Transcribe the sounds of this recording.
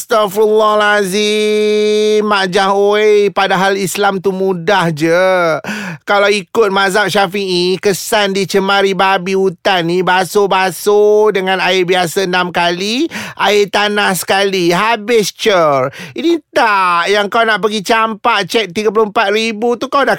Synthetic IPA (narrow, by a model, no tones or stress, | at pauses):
st̪afulːɔlazi | mmaʔd͡ʒaɦoepadaɦalislamt̪umũdahd͡ʒə | kalawikʊt̪̚mazaʔ̚ʃafiʔikəsandit͡ʃəmãɾibabiut̪anːibasobasodəŋãnaɪbiasanamkaliʔaɪt̪anahsə̥kaliɦabɪst͡ʃərinit̪ajaŋkawnaʔpəɡit͡ʃampaʔt͡ʃɛk̪̚t̪iɡap̬lompat̪̚ɾibut̪ukawda